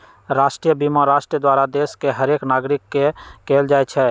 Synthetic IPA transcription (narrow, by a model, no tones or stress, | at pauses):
ɾasʈɾijəbimaɾasʈɾiəd̪waɾad̪eskeɦəɾeknaɡɾikːekeld͡ʒajt͡ʃʰɛ